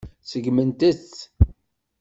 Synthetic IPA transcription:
səɡmənt̪ət͡sː

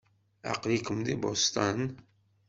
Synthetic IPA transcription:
a̰qlikəmd̪ibo̰st̪an

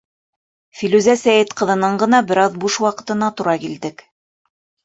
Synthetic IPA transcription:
filʉzæsæjɘt̪qɤ̆ðɤ̆nɤɴɢɤ̆nɑbɘ̆ɾɑðbuʃwɑqɤ̆t̪ɤ̆nɑt̪uɾɑkild̪ɘk

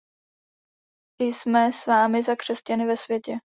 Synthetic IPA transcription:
tɪjsmɛsvaːmɪzakr̝̥ɛscanɪvɛsvjɛcɛ

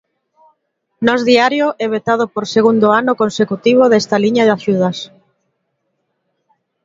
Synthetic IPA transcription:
nɔzðiaɾjoʔɛβet̪að̞opoɾseɣund̪oanʊkonsekut̪iβ̞oðɛst̪aliɲaðɪaʃuð̞as

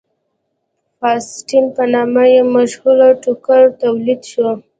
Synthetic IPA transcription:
fɑsʈimpənɑmajemaʃhulaʈukaɾt̪awlid̪ʃwo

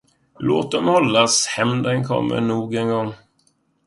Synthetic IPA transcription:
loːt̪̚d̪ɔmhɔlːashɛmd̪ənkʰɔ̰mːə̰ɳuːɡənɡɔŋː

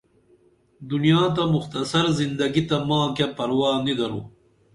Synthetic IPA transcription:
d̪unijaːt̪̬ɐmʊxt̪ɐsɐɾzind̪ɐɡit̪ɐmãːkapɐɾwaːnid̪ɐɾṵ

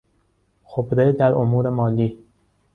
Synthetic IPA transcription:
xobɾed̪æɾomuːɾe̞mɒːliː

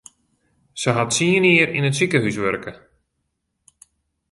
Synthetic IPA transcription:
səɦatsiəniəɾḭnətsikəɦysʋørkə

